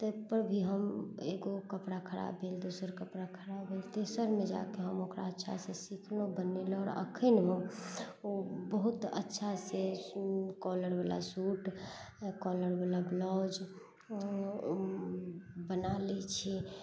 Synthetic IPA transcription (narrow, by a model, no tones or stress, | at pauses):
t̪əpəɾbʱiɦəmeɡokəpɽakʰəɾa̰bʱeld̪usəɾkəpɽakʰəɾabbʱelt̪esəɾmed͡ʒa̰keɦəmokɾa̰ətːʃʰa̰sẽsikʰlobənelɔːɾə̰kʰənɦəmobəɦut̪ə̰tːʃʰasẽ | kɔləɾbela̰suʈ | kɔləɾbelablɔd͡ʒ | bənalɛt͡ʃʰɛ